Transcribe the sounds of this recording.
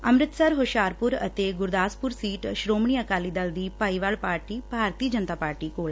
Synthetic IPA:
ɐmɾɪt̪sɐɾɦoʃaːɾpʊɾɐt̪eɡʊɾd̪aːspʊɾsiːʈʃɾoːmɳ̃iɐkaːlid̪ɐld̪iːpaːiʋaːɭpaːɾʈibʱaːɾt̪iːəd͡ʒənt̪aːpaːɾʈikoːl

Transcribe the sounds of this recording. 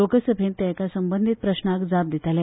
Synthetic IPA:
okəsəbʱent̪jakasəmbənd̪ʱit̪̚pɾəɕnakd͡zap̚d̪it̪alɛ

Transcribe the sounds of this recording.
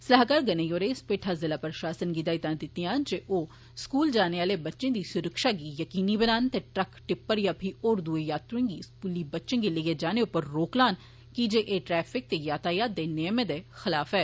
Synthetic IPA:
səlaɦkaːɾɡəneːjoːɾeːspeːʈʰaːzɪlaːpɾʃaːsənɡid̪aːit̪ãːd̪ɪt̪ːijãːnd͡ʒeʔoː | skuːld͡ʒaːneːaːleːbətːʃẽːd̪iːsʊɾəkʃaːɡiːjəkiːniːbənaːnt̪eːʈɾəkʈɪpːəɾjaːpʰiʔoːɾd̪uejaːt̪ɾʊɪ̃ŋɡiːskuːliːbətːʃẽːɡeleɡeːd͡ʒaːneʊpːəɾːoːklaːn | kid͡ʒeːʔeːʈɾɛːpʰɪk̚t̪eːjaːt̪ʰaːjaːd̪̚eːnɪjəmẽd̪eːxɪlaːfɛː

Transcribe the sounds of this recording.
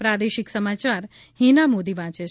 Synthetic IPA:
pɾad̪eʃiksəmat͡ʃaɾ | hinamod̪iʋãt͡ʃe

